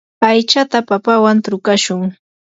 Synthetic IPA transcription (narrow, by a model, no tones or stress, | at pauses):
ajt͡ʃat̪apapawant̪ɾʊkaʃʊŋ